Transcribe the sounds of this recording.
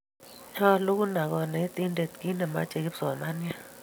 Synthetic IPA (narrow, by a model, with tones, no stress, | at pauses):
a˦lo˦k̬u˦na˨k̬ɔ˨na˨i˦tʼi˦nde˨tki˦nɛ˨ma̰˦t͡ʃʼɛ˨k̬i˦z̥ɔ˨ma˦ni˦a˦